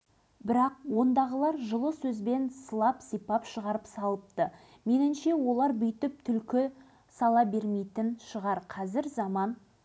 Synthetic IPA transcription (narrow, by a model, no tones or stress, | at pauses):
bɪɾɑq̚wo̞nd̪ɑʁəlˠɑɾʒəlˠəsɵzbe̞nsəlˠɑpsijpɑpʃəʁɑɾəpsɑlˠəp̚t̪ə | me̞nɪnʃe̞wo̞lˠɑɾbʏjt̪ɪp̚t̪ʰʏlkʲɪ | sɑlˠɑbe̞ɾmejt̪ɪnʃəʁɑɾqʰɑzɪɾzɑmɑn